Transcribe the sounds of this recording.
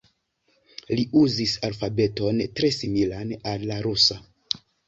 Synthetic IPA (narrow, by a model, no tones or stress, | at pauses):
liʔuzisalfabe̞to̞ntɾe̞similanalːaɾusa